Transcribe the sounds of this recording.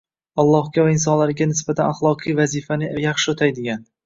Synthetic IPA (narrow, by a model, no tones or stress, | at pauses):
ɒlˠːɒhɡʲavaɪnsɒnlaɾɪɡʲanɪs̬bat̪ʰanaχlˠɒqʰɨjvazifanɪjɑχʃɪot̪ʰajd̪ɪɡʲan